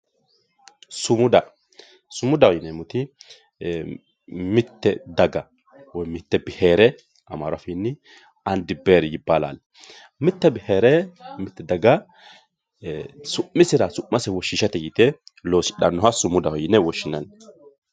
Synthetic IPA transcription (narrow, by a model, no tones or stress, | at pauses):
sʊmʊd̪ɐ | sʊmʊd̪ɐhɔjɪnɛmʊt̪ɪ | mɪt̪ːɛd̪ɐɡɐ | wɔjmɪt̪ːɛbɪheːɾɛ | ɐmaːɾɐfɪnːɪ | ɐnd̪ɪbeːɾɪjɪbːaːla̰ːl | mɪt̪ːɛbɪheːɾɛmɪt̪ːɛd̪ɐɡɐ | sʊmːɪsɪɾɐsʊʔːɐsɛwɔʃːɪʃɐt̪ɛjit̪ɛlo̞ːsɪɗɐnːɔɦɐsʊmʊd̪ɐhɔjɪnːɛwɔʃːɪnɐn